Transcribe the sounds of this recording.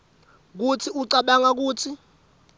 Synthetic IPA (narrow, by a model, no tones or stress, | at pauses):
k̬utʰiuǀaɓaŋak̬uːtʰi